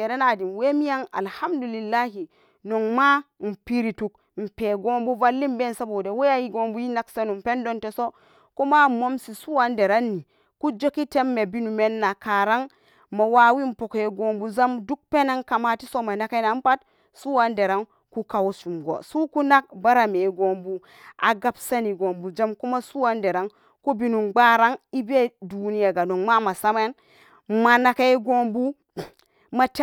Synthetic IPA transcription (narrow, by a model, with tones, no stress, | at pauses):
e˨ɾe˦na˨di˨nwe˦mi˦ja˦ŋa̰˨lha˦mdu˨li˨lːa˦ɦi˨ | no˨ŋma˦m̩˨pi˦ɾi˨tu˨k̚ | m̩˨pe˨ɡo˦mbu˦va˦lːi˦mbe˦n˨sa˦bo˨de˨we˦ja˦ji˦ɡo˨mbu˦ji˦na˦kse˦nu˨m˨pe˦ndo˦nte˨so˦ | ko˦ma˦˨mo˦msi˨su˦wa˦nde˨ɾa˦nːi˨ | ku˦d͡ʒo˦ki˦te˦mːe˨bi˦nu˨me˦nːa˨ka˨ɾa˦ŋ | ma˨wa˨wi˦m̩˨po˨kje˨ɡo˨mbu˨za˦mdu˦k̚pe˦na˦ŋka˨ma˦ti˦so˦ma˨na˨ke˦na˨˦m˦pa˦t | su˦wa˦nde˨ɾa˦ŋ | ku˦ka˨wu˦su˨mɡo̰˨su˦ku˦na˦k̚ba˦ɾa˨me˨ɡo˦mbu˦ | a̰˨ɡa˦bsa˦ni˨ɡo˨mbu˨d͡ʒa˦mku˦ma˦su˦wa˦nde˨ɾa˦ŋ | ku˦bi˦nu˨nɡ͡ba˦ɾa˦ŋi˦bi˦e˦du˨ni˦ja˨ɡa˨no˨ŋma˦ma˨sa˦me˦n | ma˨na˨ke˦ɡo˦mbu˦ | ma˨t